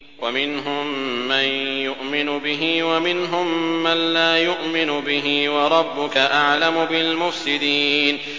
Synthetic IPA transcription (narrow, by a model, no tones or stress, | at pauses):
wamɪnɦʊmːanjʊʔmɪnʊbɪɦiwamɪnɦʊmːanlaːjʊʔmɪnʊbɪɦɪwɑɾˤɑbːʊkaʔaʕlamʊbɪlmʊfsɪd̪iːn